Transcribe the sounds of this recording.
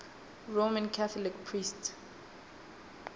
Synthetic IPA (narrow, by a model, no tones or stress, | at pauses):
ɹomãnkʰaθɔlikpʰɹist